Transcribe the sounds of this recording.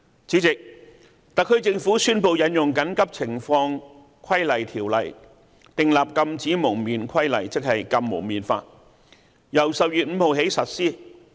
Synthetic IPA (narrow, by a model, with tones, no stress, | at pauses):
t͡siː˨˥t͡sɪ˨k̚ | t̪ɐ˨kʰːɵ˨˧t͡sɪ˧ŋfuː˨˥syː˥npo˧wjɐ˨˥njʊ˨ŋkɐ˨˥nkɐ˥p̚t͡sʰɪ˨˩ŋfɔː˧ŋ | kʷʰɐ˥jlɐ˨˩jt̪ʰiː˨˩wlɐ̰˨˩j | t̪ɪ˨ŋlaː˨p̚kɐ˧mt͡siː˨˥mʊ˨˩ŋmiː˨nkʰɐ˥jlɐ̰˨˩jt͡sɪ˥k̚hɐ˨jkɐ˧mːo̰˨˩ŋmiː˨nfa̰ː˧t̚ | jɐ˨˩wsɐ˨p̚jyː˨t̚m̩ː˨˧ho˨wɦe˨˥jsɐ˨t̚siː˥